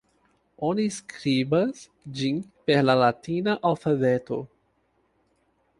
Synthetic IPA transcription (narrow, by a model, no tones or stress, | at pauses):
o̞niskɾibas | d͡ʒinpe̞ɾlalatinaʔalfabeto̞